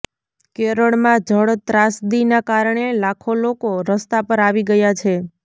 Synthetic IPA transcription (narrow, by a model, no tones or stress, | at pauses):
keɾəɭmãd͡ʒʱəɽt̪ɾasd̪inakaɾɳelakʰolokoɾəst̪apəɾaʋiɡəjat͡ʃʰe